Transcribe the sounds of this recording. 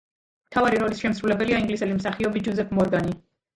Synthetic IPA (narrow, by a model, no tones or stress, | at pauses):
mt̪ʰavaɾiɾɔlisʃɛmsɾulɛbɛliaiŋɡlisɛlismsaχiɔbid͡ʒɔzɛpʰmɔɾɡani